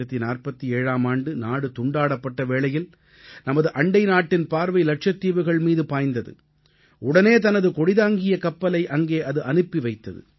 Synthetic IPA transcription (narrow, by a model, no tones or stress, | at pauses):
ɐt̪ːinaːrpɐt̪ːieːɻaːmaːɳɖɯnaːɽɯt̪ʊɳɖaːɽɐpːɐʈːɐʋeːɭɐjɪl | nɐmɐðɯʔɐɳɖɐɪnaːʈːɪnpaːɾʋɐɪlɐʈ̚ʂɐt̪ːiːʋɯɣɐɭmiːðɯpaːjnd̪ɐðɯ̰ | ʊɽɐneːt̪ɐnɐðɯkɔɽɪðaːŋɡɪjɐkɐpːɐlɐɪʔɐŋɡeːʔɐðɯʔɐnɯpːiʋɐɪt̪ːɐðɯ̰